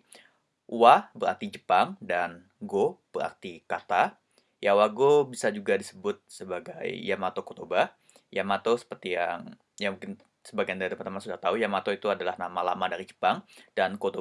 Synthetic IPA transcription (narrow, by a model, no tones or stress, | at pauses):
wahbəɾa̰rt̪id͡ʒəpaŋdan | ɡob̥əɾa̰rt̪ikat̪a | jawaɡobisad͡ʒuɡadisəbʊt̪̚səbaɡa̰jːamat̪okot̪oba | jamat̪osə̥pərt̪ijaŋ | jaŋmuŋkɪn | səbaɡajandaɾit̪əpant̪əmansudaht̪aujamat̪oit̪uadalahnamala̰madaɾid͡ʒə̥paŋd̥ankot̪o